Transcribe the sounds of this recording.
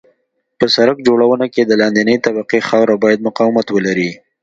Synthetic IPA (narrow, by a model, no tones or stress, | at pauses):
pəsaɾakd͡ʒoɽawənaked̪əlɑnd̪inəjt̪abaqexɑwɾabɑjad̪̚mʊqɑwɪmat̪wəlaɾi